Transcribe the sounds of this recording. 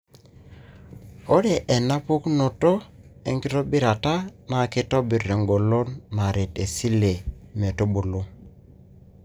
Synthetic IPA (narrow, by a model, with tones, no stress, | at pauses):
o˦ɾe˨ʔɛ˨na˦pu˦kno˨tɔ˦e˨ŋki˦ɾo˦bi˦ɾa˨ta˦na˨ki˦tɔ˦bi˨ɾe˨ŋɡo˨lo˦nma˨ɾe˨te˨si˦le˨ | me˨to˦bo˨lo˦